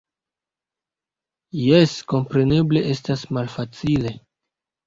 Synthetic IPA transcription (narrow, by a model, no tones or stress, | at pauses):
jesko̞mpɾe̞ne̞ble̞ʔe̞stasmalfat͡sile̞